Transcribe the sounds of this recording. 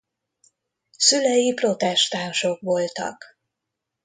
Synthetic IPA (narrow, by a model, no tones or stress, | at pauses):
sylɛjipro̞t̪ɛʃt̪aːnʃo̞kʋo̞lt̪ɒ̰k